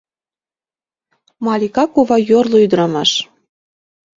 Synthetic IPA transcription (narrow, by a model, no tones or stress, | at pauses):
mɑlʲikɑkuβɑjorloyd̪əɾɑmɑʃ